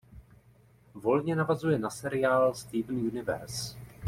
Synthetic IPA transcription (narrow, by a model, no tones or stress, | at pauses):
vo̞lɲɛnavazujɛnasɛɾɪjaːlst̪iːvn̩junɪvɛ̰ɾs